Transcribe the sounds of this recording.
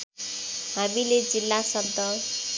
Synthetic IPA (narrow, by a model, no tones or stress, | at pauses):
hamiled͡zilːasʌnt̪ʌ